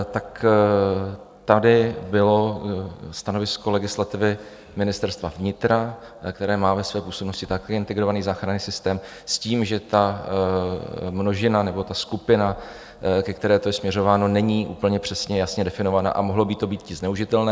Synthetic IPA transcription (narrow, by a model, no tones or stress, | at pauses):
t̪ak | t̪adɪbɪlo̞ | st̪ano̞vɪsko̞lɛɡɪslat̪ɪvɪ | mɪnɪst̪ɛɾst̪vavɲɪt̪ɾa | kt̪ɛɾɛːmaːvɛsvɛːpuːsobno̞scɪt̪akɛɪnt̪ɛɡɾo̞vaniːzaːxɾanisɪst̪ɛːm | sciːmʒɛt̪a | mnoʒɪnanɛbo̞t̪askupɪna | kɛk̚t̪ɛɾɛːt̪o̞jɛsmɲɛro̞vaːno̞nɛɲiːʔuːpl̩ɲɛpr̝̥ɛsɲɛjasɲɛdɛfɪno̞vana̰ʔa̰moɦlo̞biːt̪ːo̞biːt̪̚cɪznɛuʒɪt̪ɛlnɛː